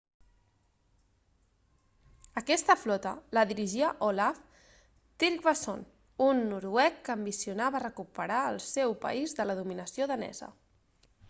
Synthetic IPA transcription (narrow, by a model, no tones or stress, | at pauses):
əkɛst̪əflɔt̪ələðiɾiʒiəʔolaf | t̪iɾkβəso̰n | unːuɾwɛkːəmbisiunaβərəkupəɾaəlˠsɛwpə̰izðələðuminəsioðənɛ̰zə̰